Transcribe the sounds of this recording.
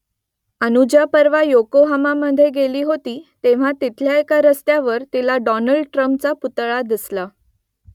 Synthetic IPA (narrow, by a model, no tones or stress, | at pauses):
ənud͡ʑapəɾʋajokoɦamaməd̪ʱːjeɡeliːɦot̪iːt̪eʋ̤at̪it̪ʰljaekaɾəst̪jaʋəɾt̪ilaɖɔnəɭɖʈɾəmp̚t͡saput̪ɭad̪isla